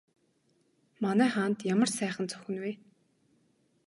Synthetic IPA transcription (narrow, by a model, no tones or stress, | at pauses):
manæːχaːnt̪jamə̆rsæːχə̆nt͡sʰʊ̥xɘ̆nwe